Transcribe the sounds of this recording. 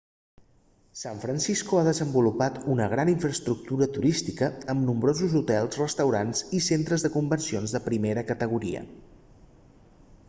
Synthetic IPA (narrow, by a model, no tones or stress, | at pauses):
saɱfɾənsiskuaðəzəmbulupat̪unəɣɾaniɱfɾəst̪ɾuk̚t̪uɾət̪uɾist̪ikəəmnumbɾozuzut̪ɛlˠzrəst̪əwɾanzisent̪ɾəzðəkumbənsionzðəpɾimeɾəkət̪əɣ̞uɾḭə̰